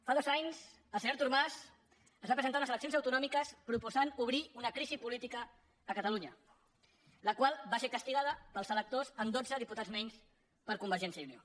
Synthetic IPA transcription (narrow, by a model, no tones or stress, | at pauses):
faðɔzaɲz | əlˠsəɲoɾt̪uɾmaz | əzβapɾəzənt̪aunəzələksionzəwt̪unɔmikəspɾupuzanuβ̞ɾiunəkɾizipulit̪ikəː | kət̪əluɲə | ləkwalˠbasekəst̪iɣað̞əpəlˠzələk̚t̪ozəmd̪od͡zəðiput̪ad͡zmɛɲs | pəɾkumbəɾʒɛnsjəjunio